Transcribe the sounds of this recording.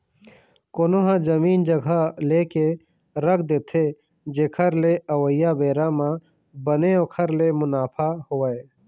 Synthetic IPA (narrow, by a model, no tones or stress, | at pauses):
koːnoɦãd͡ʒəmiːnd͡ʒəɡʱaleːke | ɾəkʰd̪eːt̪ʰe | d͡ʒeːkʰəɾleʔəʋəjabeːɾamã | bəneoːkʰəɾlemʊnaːpʰahoːəe